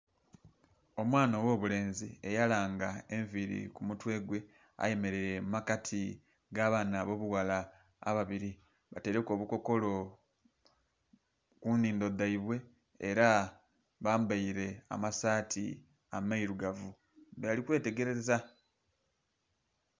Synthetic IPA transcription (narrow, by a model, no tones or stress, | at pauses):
o̞mwaːnowo̞ːβule̞ːnzie̞jalaːŋɡae̞ɱviɾḭkumutwe̞ːɡwe̞ | a̰je̞me̞ɾeɾemakatʰi | ɡaːβanaβo̞ːβuwala̰ː | βaβiɾi | βate̞ɾe̞ko̞ːβuko̞ko̞lo̞ | kuniːndo̞d̪aiβwe̞ː | ɾa | βaːmbaiɾe̞a̰masaːtʰḭ | amaiɾuɡavu | bejalikwe̞ːte̞ɡe̞ɾe̞za